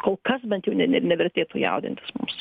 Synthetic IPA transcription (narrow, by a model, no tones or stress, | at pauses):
koːlˠkɐsbʲɛnt̪jɛʊnʲɛɛnʲɛʋʲɛɾʲt̪ʲeːt̪uːjɛ̰ʊd̪ʲɪ̰nt̪ʲɪ̥smʊ̰ms